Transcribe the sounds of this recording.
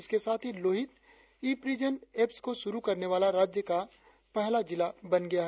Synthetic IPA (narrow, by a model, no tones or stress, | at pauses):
ɪskesaːt̪ʰiloːɦɪt̪ | iːpɾiːd͡ʒəneːpskoʃʊɾukɐɾneʋaːlaɾaːd͡ʒjəka | pɛɦlad͡ʒɪlabɐnɡɐjaɦɛ